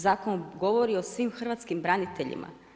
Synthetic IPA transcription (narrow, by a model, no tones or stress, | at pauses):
zaːkonuɡo̞ʋoɾio̞sʋiːmxr̩ʋat̪skimbɾanit̪eʎḭmʔa̰